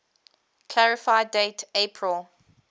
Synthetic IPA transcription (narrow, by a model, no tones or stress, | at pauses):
kʰl̥aɹɪfaɪdeɪtepʰɹəlˠ